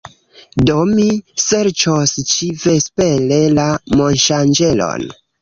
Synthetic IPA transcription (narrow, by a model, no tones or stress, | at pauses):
domise̞ɾt͡ʃost͡ʃivespele̞lamo̞nʃand͡ʒe̞lo̰n